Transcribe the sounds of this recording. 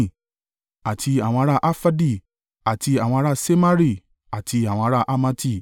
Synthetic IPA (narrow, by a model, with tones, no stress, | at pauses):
a˨tʰi˧a˨w̃ɔ̃˧a˦ɾa˦˨ʔa˦fa˦di˦˨ | a˨ti˧a˨w̃ɔ̃˧˦ɾa˦˨se˦ma˦ɾi˦˨ | a˨tʰi˧a˨w̃ɔ̃˧a˦ɾa˦˨ʔa˦ma˦ti˦˨